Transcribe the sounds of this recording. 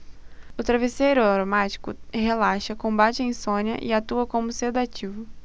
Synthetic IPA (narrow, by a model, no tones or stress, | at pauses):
ʊt̪ɾavesejɾʊaɾomat͡ʃi̥kʊ̰ɦelaʃɐkõbat͡ʃɪẽj̃sõnjɐ̰ʔɪ̰at̪uɐkõmʊsed̪at͡ʃivʊ